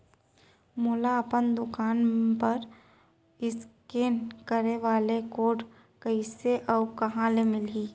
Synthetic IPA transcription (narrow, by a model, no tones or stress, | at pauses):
moːlaɐpənd̪ʊkaːnpɐɾ | ɪskeːnkəɾeʋaːlekoːɖ | kəiseʔɔːkɐɦãlemɪliː